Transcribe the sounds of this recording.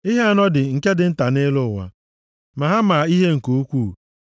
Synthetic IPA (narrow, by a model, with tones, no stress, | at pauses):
i˦ɦe˦a˨nɔ˦dɪ˨ŋ̩˨ke˦dɪ˨n̩˦ta˨ne˦lʊ˦˨wʷa̰˨ | ma˨ɦa˦ma˨i˦ɦe˦ŋ̩˨ko˦kʷu˦˨